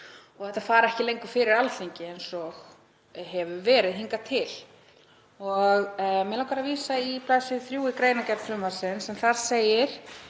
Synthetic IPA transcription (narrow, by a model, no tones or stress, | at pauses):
ɔɣɛht̪ːafaːɾaɛhcɪlejŋkʏfɪːɾɪɾalθiɲcɪejnsɔɣ | ɦɛvʏvɛːɾɪðɦiŋkat̪ʰɪl | ɔɣmɛlawkʰaɾaviːsaipʰlaːsɪθɾjuːɪkɾeːjnacɛp̪n̥fɾʏmasɪnsɛmθaɾseːjɪɾ̥